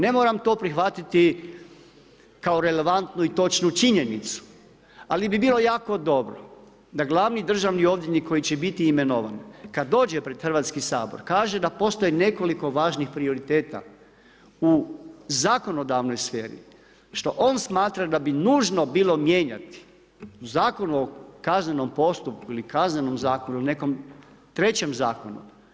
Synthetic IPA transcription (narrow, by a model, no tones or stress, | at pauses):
ne̞moːɾamt̪o̞ːpɾixʋat̪it̪i | kao̞ɾe̞le̞ʋant̪nuit̪o̞t͡ʃnut͡ʃiɲe̞nit̪su̥ | alibibiːlˠo̞jaːko̞d̪o̞bɾo̞̰ | d̪aɡlˠaːʋnid̪r̩ʒaʋnio̞ʋd̪ʲinikʰo̞jit͡ɕebit̪iːme̞noʋa̰nkad̪ːo̞ːd͡ʒepɾe̞d̪xr̩ʋaːt̪skisa̰ːbo̰ɾkaːʒe̞d̪apo̞st̪o̞jine̞ko̞liko̞ʋaːʒnixpɾio̞ɾit̪e̞ːt̪a̰ | uzaːko̞no̞d̪aʋno̞jsfeːɾḭ | ʃt̪o̞ʔo̞ːnsmaːt̪ɾad̪abinuːʒnobiːlo̞mje̞ɲat̪i̥ | uzaːko̞nuo̞kazne̞no̞mpo̞st̪up̚kuilikazne̞no̞mzaːko̞nune̞ko̞m | t̪ɾe̞t͡ɕe̞mzaːko̞nṵ